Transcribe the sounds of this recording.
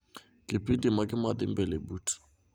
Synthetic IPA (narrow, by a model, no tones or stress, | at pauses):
kʼɪpʼindʼimakʼɪmad̪ɪmbɛlebuːtʰi̥